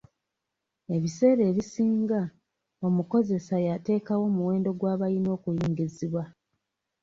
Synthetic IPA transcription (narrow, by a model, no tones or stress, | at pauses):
e̞βise̞ːɾe̞ːβisiːŋɡa | o̞muko̞ze̞sajate̞ːkawo̞ːmuwe̞ːndo̞ɡwaːβajino̞ːkujiːŋɡiziβwa